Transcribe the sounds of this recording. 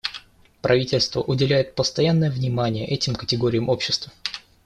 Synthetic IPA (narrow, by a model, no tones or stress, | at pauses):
pɾʔɐvʲitʲɪlʲst̪vəʔʊdʲɪlʲæjɪt̪̚pəst̪ɐjanːəjəvnʲɪmanʲɪjəʔɛtʲɪmkətʲɪɡo̞ɾʲɪjəmʔo̞pɕːɪst̪və